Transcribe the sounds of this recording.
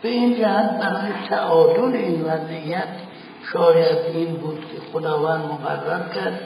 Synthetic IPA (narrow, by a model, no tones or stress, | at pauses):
b̥eind͡ʒæhæt̪̚bæɾɒːjet̪ʰæʔɒːd̪oleinvæzijːæt̪ʰ | ʃɒːjæd̪inbuːd̪kʲʰexod̪ɒːvænd̪moɣa̰rːæɾkʲʰæɾd̪